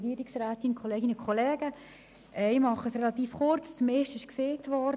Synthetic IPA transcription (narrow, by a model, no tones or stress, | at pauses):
ɡiːɾɪksræːt̪ɪnəkʰχɔleːɡɪnəkʰɔlɛːɡə | ɛɪmɑχəsrɛlɑt̪iːfχʊɾt͡st͡smeʃtɪʃkseːt̪ʋɔ